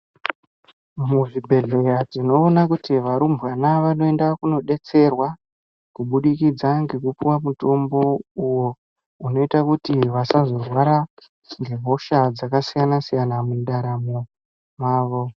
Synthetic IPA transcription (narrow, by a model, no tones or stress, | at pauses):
muʐibʱe̞ɮe̞jad͡zino̞ːnakutiʋaɾumbwanaʋano̞e̞ndakuno̞ɗe̞t͡se̞rwa | kuɓuɗikid͡zaŋɡe̞kupiwamuto̞mbo̞uwo̞ | uno̞itakutiʋasazo̞rwaɾa | ŋɡe̞ɦo̞ʃad͡zakasijanasijanamundaɾamo | maːʋo̞